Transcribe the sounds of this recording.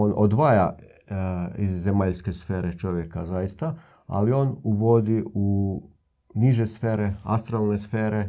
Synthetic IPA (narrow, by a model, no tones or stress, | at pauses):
onʔod̪ʋaːja | izːemaʎske̞sfeːɾet͡ʃo̞ʋjekazajist̪a | a̰lio̞ːnuʋo̞d̪iu | niʒesfeːɾea̰st̪ɾalˠnesfeːɾe